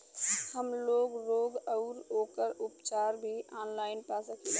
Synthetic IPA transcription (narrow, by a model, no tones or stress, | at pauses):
həmloːɡɾoːɡəʊɾoːkəɾʊpt͡ʃaːɾbʱiʔaːnlaːɪnpasəkʰie